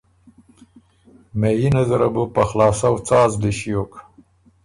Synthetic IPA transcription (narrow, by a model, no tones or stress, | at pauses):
mejinazaɾabupaxlɑːsawt͡sɑːzd̪eʃijok